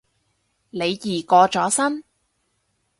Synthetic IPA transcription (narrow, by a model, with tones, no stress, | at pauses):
le˨˧jːiː˨˩kɔː˧t͡sɔː˨˥sɐ˥n